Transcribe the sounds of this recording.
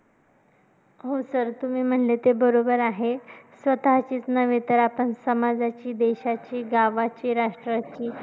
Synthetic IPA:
ɦosəɾt̪um̤iːm̤əɳlet̪ebəɾobəɾaɦesʋət̪aɦt͡ɕiːt͡snəʋet̪əɾapəɳsəmad͡zat͡ɕiːd̪eɕat͡ɕiːɡaʋat͡ɕiːɾaʂʈɾat͡ɕiː

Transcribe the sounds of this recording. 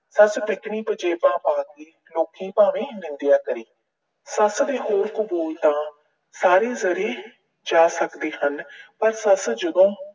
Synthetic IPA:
səsbɪkɳiːpəd͡ʒeːpãːpãːd̪iː | loːkʰiːpãːʋẽːnɪ̃nd̪ɪjaːkəɾiː | səsd̪eːɦoːɾkʊbuːlt̪ãː | saːɾeːzəɾeː | d͡ʒaːsəkd̪eːɦənpəɾsəsd͡ʒəd̪õː

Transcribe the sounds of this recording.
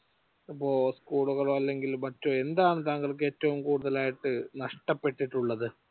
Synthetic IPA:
ɐpːo̞ːskuːɭuɣɐɭoɐlːe̞ŋɡilmɐtːoe̞nd̪aːɳɨt̪aːŋɡɐɭk̬ːɨe̞ːtːɐʋumkuːɽuðɐlaːjiʈːɨnɐʂʈɐpːe̞ʈːiʈːuɭːɐðɨ

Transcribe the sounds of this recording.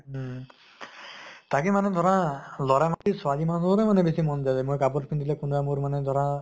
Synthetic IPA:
tak̬imanɛd̪ʱɔɹãlɔɹamat̪iswalimazɔɾɛmanɛbesimɔnzadɛmojkap̬ɔtpʰindilɛkunbamoɹmanɛd̪ʱɔɹã

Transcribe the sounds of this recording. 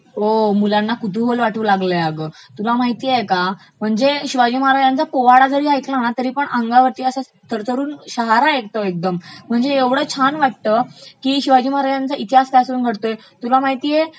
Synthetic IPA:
ɦomulanːakut̪uɦolʋaʈuːlaɡləjaɡəːt̪ulamaɦit̪iːeka | m̤əɳd͡zeɕiʋad͡ʑiːmaɾajant͡sapoʋaɽad͡z̪ʱəɾiːajt̪ʰlañat̪əɾiːpəɳaŋɡaʋəɾt̪iːəsa | t̪ʰəɾt̪əɾuːnɕaɦaɾaekt̪əek̚d̪əmm̤əɳd͡zeeʋɽəːt͡ɕʰanʋaʈ̚t̪əːkiːɕiʋad͡ʑiːmaɾajant͡sait̪iɦast̪asɾuːnɡʱəɽt̪oje | t̪ulamaɦit̪iːje

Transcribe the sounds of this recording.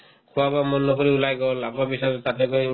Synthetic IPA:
kʰuwabamɔnːɔkɔɾiulajɡɔlapɾɔbisɔjɾt̪at̪ʰɛkɔj

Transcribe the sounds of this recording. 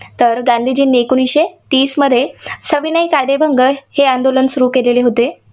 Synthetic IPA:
t̪əɾɡand̪ʱid͡ʑiːnekuniɕet̪iːsməd̪ʱːjesəʋinəjkad̪ebʱəŋɡəheand̪olənsuɾukeleleɦot̪e

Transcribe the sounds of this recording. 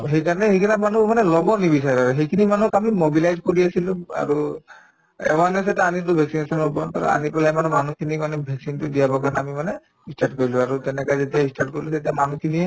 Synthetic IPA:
ɦejkaɹɔnɛɦejkʰinamanumanɛlɔbɔnibisaɹiaɹɛɦejkʰinimanukamimobilajzkoɹiasilũa̰ɹu | ɛ̰wanɛsɛtaanitʊbʱɛksinesɔnobɔt̪a̰ɹɔ̰a̰nipalaɛmanɛmanukʰinikanɛbʱɛksintudijabɔkanaamimanɛ | isʈaʈ̚kɔɹilɔ̃aɹut̪ɛnɛkazetiaisʈʰaʈ̚koɹilut̪atiamanukʰiniɛ

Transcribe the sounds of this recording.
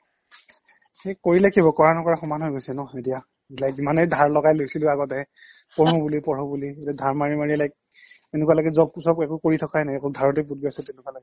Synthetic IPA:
ekoɹilakʰibɔkɔɹanɔkɔɹaxɔmanɦojɡojsɛnɔetija | lajkzimanejdʱaɹlɔɡajlojsilʊaɡɔtɛɛ | pɔɹɔbulipɔɹɔbulietiadʱaɹmaɹimaɹilajk̚ | enɛkualaɡɛzɔb̚sɔb̚ɛkukoɹitʰɔkʰajnaɛkɔldʱaɹɔtepud̚ɡɔsɛtenɛkualaɡɛ

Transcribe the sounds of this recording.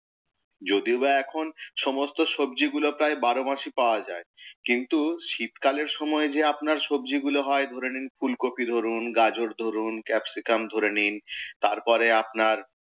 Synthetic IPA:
d͡ʑod̪iobaɛkʰonʃɔmost̪oʃobd͡ʑiɡulopɾaebaɾomaʃipaoad͡ʑaekint̪uʃit̪kaleɾʃɔmɔed͡ʑeapnaɾʃobd͡ʑiɡuloɦɔed̪ʱoɾeninfulkopʰid̪ʱoɾunɡad͡ʑoɾd̪ʱoɾunkɛpsikamd̪ʱoɾenint̪aɾpɔɾeapnaɾ

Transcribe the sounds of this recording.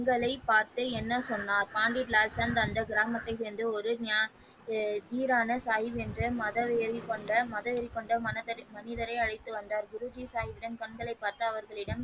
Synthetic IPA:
kŋɡɐɭɐɪpːaːɾt̪ɯɛnːɐsɔnːaːɾpaːɳɖɪʈlaːlsɐnd̪ɐnd̪ɐɡɪɾaːmɐt̪ːɐɪseːnd̪ɯɔɾɯnaː | d͡ʒ̪iːɾaːnɐsaːjɪʋɛndrɯmɐðɐʋɛjɾikːɔɳɖɐmɐðɐʋɛɾɪkːɔɳɖɐmɐnɪðɐɾɐɪɐɻɐɪt̪ːɯʋɐnd̪aːɾɡʊɾʊd͡ʒisaːjɪʋɪɽɐnkɐɳɡɐɭɐɪpːaːɾt̪ɐɐʋɐɾɣɐɭɪɽɐm

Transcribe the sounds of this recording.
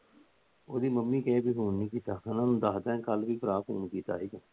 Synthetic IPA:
oːd̪iːməmːĩːkɛːbiːɦuːnnĩːkiːt̪aːnãːnũːd̪aːd̪ɛ̃ːkəlbiːpəɾaːpʰṵːnkiːt̪a̰ːɦiːkaː

